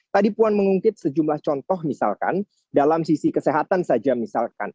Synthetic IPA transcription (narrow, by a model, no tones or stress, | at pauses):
t̪adipuanməŋuŋkɪt̪̚səd͡ʒumlaht͡ʃɔnt̪ɔhmisa̰lka̰n | dalamsisikəseɦat̪ansad͡ʒamisalka̰n